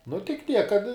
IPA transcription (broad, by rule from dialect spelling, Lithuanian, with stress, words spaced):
nʊ tʲɪk ˈtʲiɛk kɐt